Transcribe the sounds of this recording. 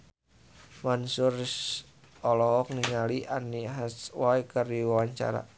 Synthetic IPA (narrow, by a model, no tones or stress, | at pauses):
mansʊrs | ɔlɔɦɔk̚niŋaliʔaniɦaswajkəriwawaɲt͡ʃa̰ɾa̰